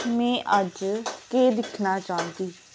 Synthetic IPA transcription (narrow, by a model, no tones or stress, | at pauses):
mɛ̃ːʔəd͡ʒkeːd̪ɪkʰnaːt͡ʃãːnd̪iː